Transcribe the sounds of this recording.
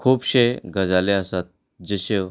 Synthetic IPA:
kʰuːpɕeɡʱəd͡zaleəsat̪̚ | d͡ʑəɕew

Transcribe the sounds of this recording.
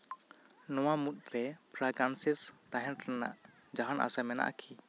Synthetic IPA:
nɔwamut̪̚ɾɛpʰɾaɡansist̪aɦɛ̃nɾɛna̰ʔ | d͡ʒaɦana̰samɛna̰ʔkʰi

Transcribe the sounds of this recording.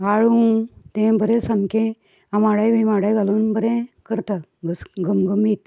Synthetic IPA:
aɭut̪ẽbəɾẽsamkẽ | amaɽajʋimaɽajɡaluːnbəɾẽkəɾt̪aɡəsɡəmɡəmiːt̪

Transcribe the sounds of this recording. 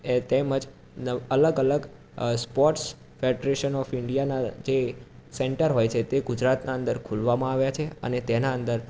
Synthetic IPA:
et̪ɛməd͡ʒ | nəələɡələɡ | spɔɾʈs | feɖɾeʃənɔfɪɳɖijanad͡ʒesɛɳʈəɾɦojt͡ʃʰet̪eɡʊd͡ʒɾat̪naənd̪əɾkʰulʋamãaʋjat͡ʃʰeə̰net̪ɛnaə̃nd̪əɾ

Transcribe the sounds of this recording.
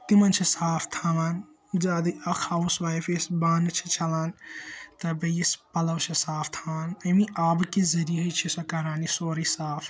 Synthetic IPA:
t̪imɐnt͡ʃʰisaːpʰt̪ʰaːʋaːn | d͡ʒaːd̪ɨɐkʰaːusʋaːifʰesbaːnt͡ʃʰi̥t͡ʃʰɐlaːnt̪ɐbɐjispɐlɐʋt͡ʃʰisaːpʰt̪ʰaːʋaːnɐmĩʔaːbkizɐɾiɐt͡ʃʰisɐkɐɾaːnisoːɾisaːfʰ

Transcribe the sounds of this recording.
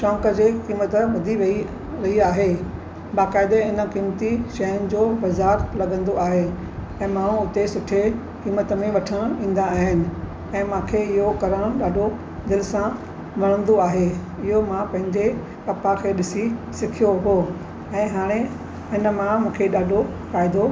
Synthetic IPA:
ʃɔ̃ːŋkəd͡ʑeːkiːmət̪̆ɓʊd̪ʱiʋɐi | ɾɐiaːɦe | baːkaːɪd̪eɪnə̆kiːmt̪iʃɐjənɪ̆d͡ʑoːbɐzaːɾlɐɡə̃nd̪oaːɦe | ɛ̃ːmãːũʊt̪esʊʈʰe | kiːmət̪əmẽʋɐʈʰəɽ̃ĩːn̆d̪aːɦɪnɪ̆ | ɛ̃ːmãːkʰeɪɦokɐɾəɽ̃ɗaːɖʱo | d̪ɪlɪsã | ʋɐɽ̃ə̃nd̪oaːɦe | ɪɦomãpɐ̃ɦɪ̃ɲd͡ʑe | kɐpakʰeɗɪsisɪkʰijoɦoː | ɛ̃ːɦaːɽ̃e | ɪnə̆mãmũːkʰeɗaːɖʱo | faːɪd̪o

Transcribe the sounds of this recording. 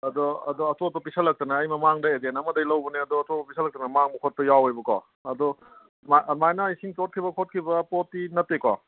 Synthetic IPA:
ɐd̪ɔɐ̰dɔɐtopɐpisɐlːɐk̚tɐnɐːjmɐmaŋdɐedenɐmɐdɐjlɐwbɐneɐdɔɐtopɐpisʰɐlɐk̚tɐnɐmaŋbɐkʰot̚pɐjawejbɐkɔ̰ | ɐd̪ɔ | mamajnɐjsiŋtot̚kʰibɐkʰot̚kʰibɐpotːinɐtːekɔ̰

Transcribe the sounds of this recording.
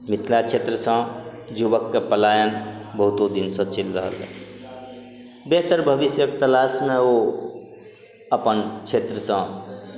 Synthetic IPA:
mit̪ʰlat͡ʃʰet̪ɾəsə̃ | d͡ʒuβəkːepəlajənbəɦut̪od̪insə̃t͡ʃilɾəɦə̰lḛ | beɦt̪əɾbʱəβisjəkt̪əlasmeo | əpənt͡ʃʰet̪ɾəsə̃

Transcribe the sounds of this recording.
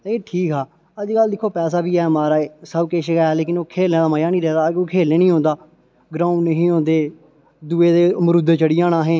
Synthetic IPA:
t̪ːeːʈʰiːkɦaː | əd͡ʒɡəld̪ɪkʰːoːpɛːs̬aːbiːɛːmaːɾaːeːsəbkeʃɡɛːleːkɪnoːkʰeːlẽːd̪aːməjaːnĩːɾɛːd̪aːoːkʰeːlẽːnĩːɦõːnd̪aː | ɡɾãːʊ̃nːəɦĩːõːnd̪eː | d̪uːeːd̪eːməɾʊd̪t͡ʃəɽɪjãːnãːɦɛ̃ː

